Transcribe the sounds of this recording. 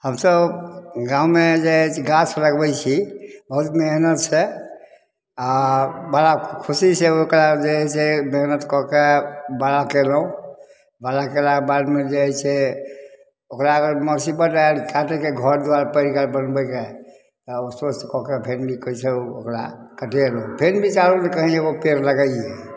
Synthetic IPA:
həmsəbɡãũmed͡ʒeɦɛt͡ʃʰɡat͡ʃɾəɡbɛt͡ʃʰibəɦut̪meɦnət̪t͡ʃʰɛ | abalakʰusiseokɾad͡ʒeɦɛt͡ʃʰɛmeɦnət̪kɔkebalakelũ | balakelabad̪med͡ʒeɦɛt͡ʃʰɛ | okɾaɡəɾməɾsibəʈaeɾkaʈekeɡʱɔɾd̪uaɾapəɾikaɾbənbɛke | t̪ɔsosekɔkepʰenbʱikəit͡ʃʰɛookɾa̰kəʈelopʰenbʱit͡ʃalunekəɦĩeɡopeɾləɡəɛ

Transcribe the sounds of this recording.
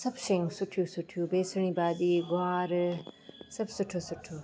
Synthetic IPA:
sɐbsiŋsuʈʰjusuʈʰjubeːsɐɳ̃ĩbaːd̪iɡaːɾ | sɐbsuʈʰːosuʈʰːo

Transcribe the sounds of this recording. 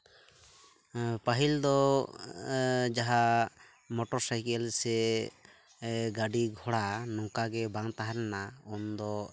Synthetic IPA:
paɦild̪ɔ | d͡ʒaɦa | mɔʈɔɾsajkɛlsɛ | ɡaɖiɡʱɔɽanɔŋkaɡɛbaŋt̪aɦaɾɛnaɔnd̪ɔ

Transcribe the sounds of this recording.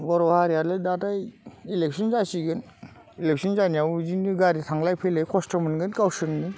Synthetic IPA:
bɔɾɔhaɾialɯdatajilek̚sʰɔnzasiɡɯn | ilek̚sʰɔnzanijawd͡ʒinɯɡaɾitʰaŋlajpʰelejkʰɔstɔmɯnɡɯnkawsɯnnɯ

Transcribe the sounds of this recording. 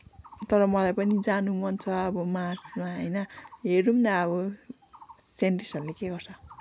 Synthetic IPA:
t̪ʌɾʌmʌlajpʌnid͡zanumʌnt͡sʰʌʌbʌmasmaɦʌjnʌɦeɾumt̪aʌβʌ | senʈrisʌlekeɡʌrt͡sʰʌ

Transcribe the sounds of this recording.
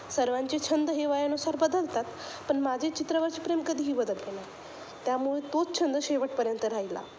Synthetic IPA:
səɾʋaɲt͡ɕet͡ɕʰənd̪əɦeʋajənusaɾbəd̪əlt̪at̪ | pəɳmad͡ʑʱet͡ɕit̪ɾəʋəɾt͡ɕipɾemkəd̪ʱiːɦiːbəd̪əlena | t̪jamuɭet̪ot͡st͡ɕʰənd̪əɕeʋəʈ̚pəɾjənt̪əɾaila̰

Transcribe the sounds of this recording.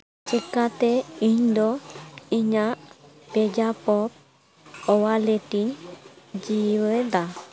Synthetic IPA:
t͡ʃɛkat̪ɛiɲd̪ɔiɲa | pɛd͡ʒapɔp | ɔwalɛʈiɲd͡ʒiwəd̪a

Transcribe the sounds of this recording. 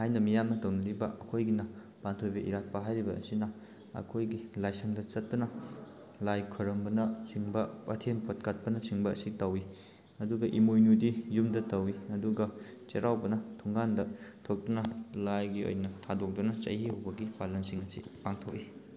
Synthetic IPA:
hajnɐmijamnɐtɐwnɐɾibɐʔɐkʰojɡinɐ | pantʰojbɐʔḭɾat̚pɐɦajɾibɐ̰ːsinɐ | ɐ̰kʰojɡilajsɐŋdɐt͡ʃɐtːunɐ | lajkʰɐɾɐmbɐnɐt͡ʃiŋbɐpɐtʰempʰot̚kat̚pɐnɐsiŋbɐːsitɐwi | ɐduɡɐʔimojnudijumdɐtɐwiɐduɡɐ | t͡ʃeɾʔawbɐnɐtʰoŋɡandɐtʰok̚dunɐlajɡio̰jnɐtʰadok̚dunɐt͡ʃɐ̰jihɐwbɐɡibalɐnsiŋɐsḭpaŋtʰok̚ːi

